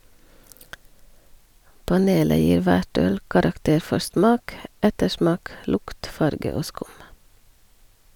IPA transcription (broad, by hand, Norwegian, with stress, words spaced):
pɑˈneːlə ˈjiːɾ ˈʋæʈ ˈœl kɑɾɑkˈteːɾ ˈfɔɾ ˈsmɑːk ˈɛtəˌʃmɑːk ˈlʊkt ˈfɑɾɡə ˈoː ˈskʊm